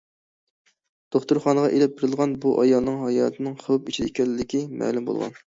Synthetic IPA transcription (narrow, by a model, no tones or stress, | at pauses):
d̪̥oχt̪uɾχɑnʁɑʔelɛp̚beɾɪlˠʁɑnbuʔɑjɑlˠnɨŋɦɑjɑ̰ːt̪ʰɨnɨŋχowpit͡ʃʰid̪ɪkʲɛlːɪd̪ɪkʲimæ̰ːlumbo̰lˠʁɑ̰n